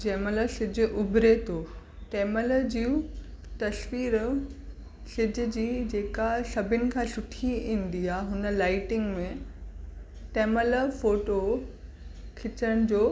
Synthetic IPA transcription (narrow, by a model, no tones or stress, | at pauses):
d͡ʑeːmələsɪd͡ʑʊ̆ʔʊbʱɾet̪ʰoː | ʈeːməld͡ʑiːũt̪ɐsʋiːɾ | sɪd͡ʑʱʊ̆d͡ʑiːd͡ʑeːkasɐbʱɪnɪ̆kʰãːsʊʈʰiĩːn̆d̪iaːɦʊnə̆laːɪʈɪŋɡmẽ | ʈeːmələfoːʈo | kʰɪt͡ɕəɽ̃ɪ̆d͡ʑoː